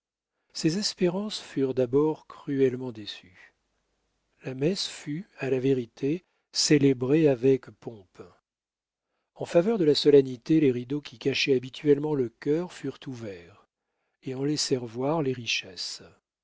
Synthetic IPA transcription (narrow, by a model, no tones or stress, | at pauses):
sezɛspeʁɑ̃sfyʁd̪abɔʁkχyɛlmɑ̃d̪esy | lamɛsfyalaveʁit̪ʰe | selebʁeavɛkpɔ̃p | ɑ̃favœʁd̪əlasɔlɛnit̪eleʁid̪okʲikaʃɛabit̪ʰɥɛlmɑ̃ləkʲœʁfyʁt̪uvɛʁ | eɑ̃lɛsɛʁvwaʁleʁiʃɛs